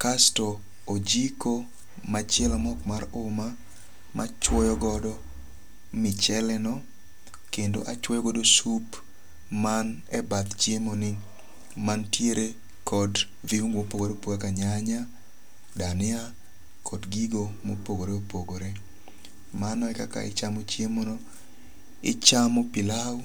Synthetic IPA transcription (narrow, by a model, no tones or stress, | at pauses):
kastɔː | d͡ʒiko | mat͡ʃɛlamɔkmaɾʊma | mʔa̰t͡ʃwɔjɔɡɔdɔ | mɪt͡ʃɛlɛnɔ | kendo̰ʔat͡ʃwɔjɔɡɔdosup | man | ɛbat̪d͡ʒjemonɪ | mantjeɾe | kʰɔd | viumopoɡoɾeopoɡakaɲaɲa | danɪa | kʰɔdɡiɡomopoɡoɾeopoɡoɾe | manɔɛkaka̰ɪ̰t͡ʃamot͡ʃjemonɔ | ɪ̰t͡ʃamɔpɪlaw